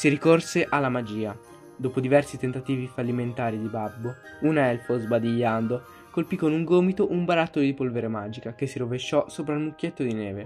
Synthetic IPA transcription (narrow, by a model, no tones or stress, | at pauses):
siɾikorseʔalːamad͡ʒiːa | d̪oːpod̪ivɛrsit̪ent̪at̪iːvifalːiment̪aːɾid̪ibabːounɛlfozbad̪iʎːand̪o | kolpikːonuŋɡoːmit̪oʔumbaɾat̪ːod̪ipolveɾemaːd͡ʒikak̟esːiɾoveʃːɔsoːpɾailmukːet̪ːod̪ineːve